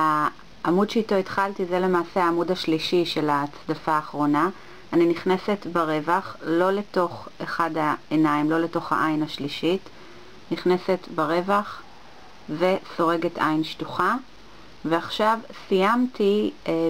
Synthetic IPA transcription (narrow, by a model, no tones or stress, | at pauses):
a | ʔamudʃeito̞itχaltizele̞maːseaːmudaʃliʃiʃe̞lat͡sdafaːχʁo̞na | aniniχne̞se̞tbeʁe̞vaχlo̞le̞to̞χeχadaenaimlo̞le̞to̞χha̰ʔajnaʃliʃit | niχne̞se̞tbeʁe̞vaχ | ve̞so̞ʁe̞ɡe̞tʰʔa̰jnʃtuχa | veaχʃavsijamtʰi